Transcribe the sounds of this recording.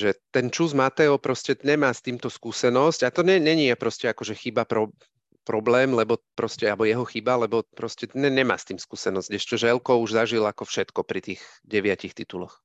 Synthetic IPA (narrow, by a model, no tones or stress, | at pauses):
ʒɛt̪ɛnt͡ʃuzmat̪ɛɔpɾɔscɛɲɛmaːst̪iːmt̪ɔskuːsɛnɔscat̪ɔɲɛɲɛɲiapɾɔscɛakɔʒɛxibapɾɔ | pɾɔblɛːmlɛbɔpɾɔscɛabɔjɛɦɔxibalɛbɔpɾɔscɛɛɲɛma̰ːst̪iːmskuːsɛnɔzɟɛʃt͡ʃɔʒɛlkɔuʒzaʒilakɔfʃɛt̪kɔpɾit̪iːɣɟɛʋɪacixt̪it̪ulɔx